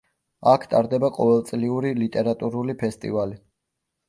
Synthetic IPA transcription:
akʰt̪ʼaɾd̪ɛbaqʼɔvɛlˠt̪sʼliuɾilit̪ʼɛɾat̪ʼuɾulipʰɛst̪ʼḭvali

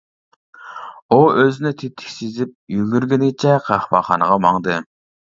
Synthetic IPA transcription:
uøzɪnɪt̪ʰet̪ʰːɪ̥kʲsizɪp̚jyɡʲyɾɡʲɪnɪɡʲɪt͡ʃʰɛqʰɑχbɑ̰χɑːnəʁɑmɑŋd̪ɨ

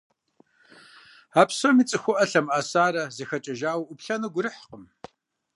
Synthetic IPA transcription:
aːpʰsomit͡sʼɨxʷʊʔɐɬɐmaːsaːɾɐzɐxɐt͡ʃʼɐʒaːwʔʊpɬɐnɨɡʷʊɾɨħqəm

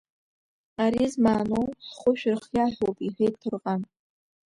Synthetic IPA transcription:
aɾizmaːnowsχʷʊʃᶣrχjaħʷopʼiħʷejtʰɨrqʼan

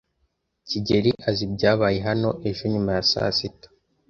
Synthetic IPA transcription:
ciɟe̞ɾiʔazibɟaːβaːjeɦano̞ʔe̞ʒuɲumajasa̰ːsitḁ

